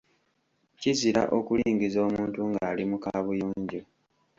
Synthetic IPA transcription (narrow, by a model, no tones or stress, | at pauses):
ciziɾa̰ʔokuliːŋɡizo̞ːmuːntuŋɡaːlimukaːβujuːɲɟo